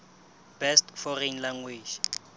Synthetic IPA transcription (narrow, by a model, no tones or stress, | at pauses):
b̥ɛstfɔrenlaŋɡweːd͡ʒ